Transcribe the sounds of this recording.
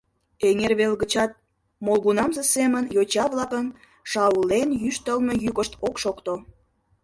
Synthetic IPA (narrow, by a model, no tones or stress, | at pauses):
eŋerβelɣət͡ɕɑt̪̚ | molɣunɑmzəsemənjot͡ɕɑβlˠɑkən | ʃɑulenjyʃt̪əlmejykəʃt̪okʃokt̪o